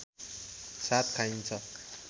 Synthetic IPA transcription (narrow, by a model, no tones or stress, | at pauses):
sat̪̚kʰaint͡sʰʌ